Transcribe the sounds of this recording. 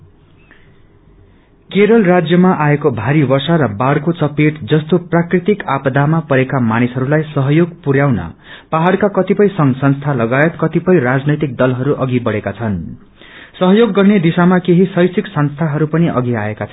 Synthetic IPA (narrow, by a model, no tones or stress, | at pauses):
keɾʌlrad͡zjʌmaʔaekobʱaɾibʌrsaɾʌbaɽkot͡sʌpeʈd͡zʌst̪oprakrit̪ikapd̪ʱamapʌɾekamanisɦʌɾulajsʌɦʌjoɡpuɾjawnʌ̰paɦaɽkakʌt̪ipʌjsʌŋsʌnst̪ʰalʌɡaet̪kʌt̪ipʌjrad͡znʌjt̪ik̚d̪ʌlɦʌɾuʔʌɡibʌɽekat͡sʰʌn | sʌɦʌjoɡːʌrned̪isamakeɦisʌjsiksʌnst̪ʰaɦʌɾupʌniʔʌ̰ɡiaekat͡sʰʌ